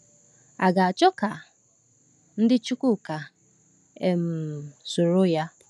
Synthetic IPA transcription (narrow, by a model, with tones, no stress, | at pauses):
a˨ɡa˨a˨t͡ʃɔ˦ka˨ | n̩˦dɪ˦t͡ʃu˦ku˦˨ka˨ | e˨m̩˨so˨ɾo˦ja˦